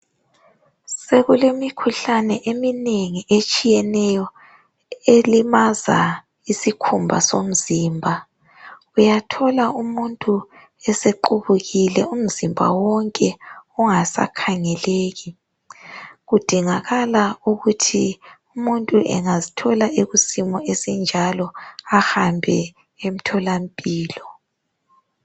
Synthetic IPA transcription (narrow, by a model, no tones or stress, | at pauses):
seɣulemikʰuɬanɛʔemineŋiʔet͡ʃʼijɛnɛjɔ | elimaza̰ | isikʰumbʱa̰som̩ziːmbʱa | ujatʰɔlaumuntʼu | ɛseǃuβuɣilɛum̩zimbʱa̰wɔŋkʼɛuŋasa̰kʰaŋɛleːɣi | ɣud̥ʱiŋaɣalauɣutʰiumuntʼuʔɛ̰ŋazitʰɔlaʔeɣusimɔesind͡ʒʱalɔaxambʱɛ̰ | em̩tʰɔlampʼiːlɔ